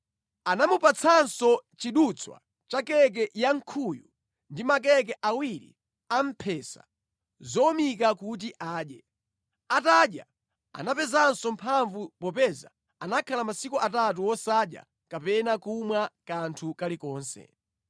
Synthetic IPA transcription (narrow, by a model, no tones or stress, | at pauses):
anamupat͡sʰansɔt͡ʃiɗut͡sʰwa̰ | t͡ʃakɛk̬ɛjaŋ̩kʰuju | ndimak̬ɛk̬ɛʔawiɾḭ | am̩pʰɛsa̰ | zɔɔmikakut̬iʔaːɗjɛ | ataɗja̰ | a̰napɛzansɔm̩pʰaɱvupɔpɛza̰ | anakʰalamasikuʔatat̬uwɔsaɗja̰ | kapɛnakumwakantʰukalikɔːnsɛ̰